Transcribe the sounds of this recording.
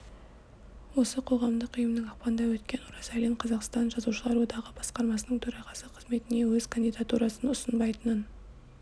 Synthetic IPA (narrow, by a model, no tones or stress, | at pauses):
wo̞səqʰo̞ʁɑmd̪əqʏjəmnəŋɑq̚pɑnd̪ɑwɵt̪̚kʲe̞nʊɾɑsaliɴqʰɑzɑqst̪ɑnʒɑzuʃəlˠɑɾwo̞d̪ɑʁəbɑsqɑɾmɑsənəŋt̪ʰɵɾɑʁɑsəqʰəzme̞t̪ɪne̞wɵzkʰand̪ijd̪at̪uɾɑsənʊsənbɑjt̪ənən